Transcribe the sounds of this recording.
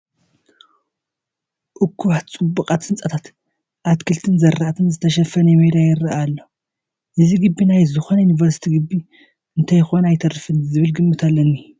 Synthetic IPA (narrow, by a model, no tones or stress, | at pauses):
ʔʊkʰːuβat̪t͡sʼɨbːɨkʼat̪sɨnt͡sʼɐt̪ʰat̪ | ʔat̪kʰɨlt̪ʰɨnzɐɾat̪ʰɨnzɨt̪ʰɐʃɐfɐnɐmed̪ajɪɾɐʔalːo | ʔɨziɡɨbːinajzɨxonɐjunivɐɾsi̥t̪ʰiɡɨbːi | ɨnt̪ʰɐjɪxonajt̪ʰɐrɨfɨnzɨβɨlɡɨmːɨt̪ʰalːɐnːi